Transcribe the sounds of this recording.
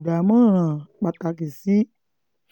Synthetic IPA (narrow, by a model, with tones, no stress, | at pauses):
da˨mã˦ɾ̃ã˨k͡pa˧ta˨˧k̬i˨si˦